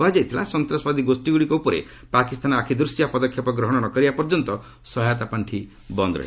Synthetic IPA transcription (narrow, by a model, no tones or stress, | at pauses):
ad͡ʒajt̪ʰila̰sɔnt̪ɾɔsbad̪iɡosʈiɡuɽikɔupɔɾḛ | pakist̪ʰanɔakʰid̪ɾusjapɔd̪ɔkʰjɔpɔɡɾɔɦɔɽ̃ɔnɔkɔɾibapɔɾd͡ʒɔnt̪ɔ | sɔɦajɔt̪apaɳʈʰi | bɔnd̪ɾɔ̰e